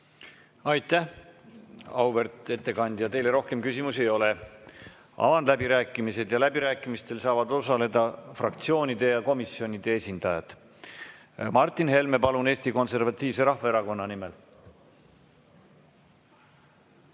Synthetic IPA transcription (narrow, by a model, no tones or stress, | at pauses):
ɑjt̪ːæh | ɑwvert̪ˑe̞t̪ːe̞kɑnd̪̥jɑt̪e̞jle̞ɾo̞hke̞mkysʲimuse̞jo̞le | ɑ̰vɑnd̪læbiɾæːkːˑimise̞d̪̥jɑlæbiɾæːkːˑimist̪e̞lsɑːvɑd̪osɑle̞d̪̥ɑfrɑk̚t̪sio̞ːnʲid̪̥e̞jɑko̞misjo̞nʲid̪̥e̞esʲind̪̥ɑjɑt̪ | mɑrt̪ːˑinɦe̞lmepɑlune̞ːsʲt̪iko̞nse̞rvɑt̪ːˑiːvse̞ɾɑhvɑeɾɑko̞nːɑnime̞l